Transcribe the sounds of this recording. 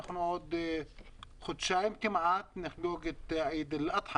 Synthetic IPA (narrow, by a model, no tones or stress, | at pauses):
axnʕuːd̪ | xʊd̪ʃaːjɪmt̪ɪmaʕaːt̪nɪxluːɡɪt̪ʕiːd̪ɪlʔɑt̪ˤħɑ